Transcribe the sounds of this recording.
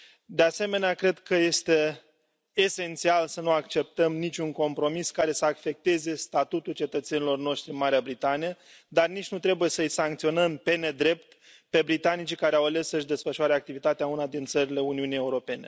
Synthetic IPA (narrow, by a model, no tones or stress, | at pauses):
d̪e̞ase̞me̞neakɾe̞d̪kəje̞st̪e̞ː | se̞nt̪sialsənuakt͡ʃe̞p̚t̪əmnit͡ʃʲuŋko̞mpɾo̞miskaɾe̞səakfe̞k̚t̪e̞ze̞st̪at̪ut̪ult͡ʃe̞t̪ət̪se̞nilo̞rno̞ʃt̪ɾiɨnmaɾeabɾit̪anijə | d̪arnit͡ʃʲnut̪ɾe̞buje̞səjsaŋk̚t̪sio̞nəmpe̞ne̞d̪ɾe̞p̚t̪ | pe̞bɾit̪anit͡ʃikaɾeawale̞sːəʃd̪e̞sfəʃuaɾeak̚t̪ivit̪at̪eaunad̪int̪səɾile̞uniunije̞uɾo̞pe̞ne̞̰